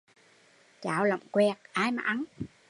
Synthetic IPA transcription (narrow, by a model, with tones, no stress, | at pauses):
t͡ɕaː˧˩˨wlə̰˧˨ŋ͡mkwɛ˧˩k̚ʔaː˧jma̰ː˨˩ʔa˨˦n